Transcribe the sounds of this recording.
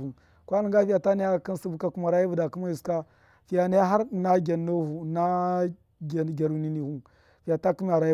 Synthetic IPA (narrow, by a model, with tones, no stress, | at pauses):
u˨ | kwa˦lə˨ŋɡa˦fi˦ja˨ta˦ni˦ja˦˨ki˦n˦si˦bu˦ka˨ku˦ma˨ɾa˦ji˦vu˨da˨ku˦ma˦ju˨ska˦ | fi˨ja˨ni˦ja˦ɦa˦ɾna˦ɡʲa˨nːo˦hu˨na˦ | ɡa˨ɡʲa˨ɾu˨ni˨ni˨hu˦ | fi˨ja˨ta˦ku˦m˦a˨ɾa˨˦